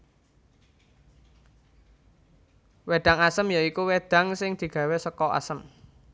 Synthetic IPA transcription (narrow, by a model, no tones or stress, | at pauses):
weɖ̪̥a̤ŋasəmjaikuwed̪̥ä̤ŋsɪŋd̪̥i̤ɡ̥a̤wɛsəkɔa̰səm